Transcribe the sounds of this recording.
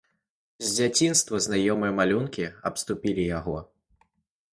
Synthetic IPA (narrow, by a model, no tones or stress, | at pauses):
zʲd͡zʲat͡sʲinst̪vɐznajɔmɨjɛmalʲunkʲiɐpst̪upʲilʲijaɣɔ